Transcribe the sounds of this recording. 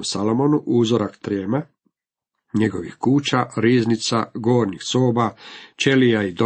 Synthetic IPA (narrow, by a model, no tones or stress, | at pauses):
usalomonuʔuːzoɾakt̪ɾeːma | ɲeɡo̞ʋixkuːt͡ʃaɾiːznit̪sa̰ɡo̞ːɾnixsoːbat͡ʃelijaid̪o